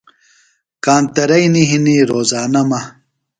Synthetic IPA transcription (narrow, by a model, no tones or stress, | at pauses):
kaːnt̪ɐɾɐjniɦiniɾoːzaːnɐmɐ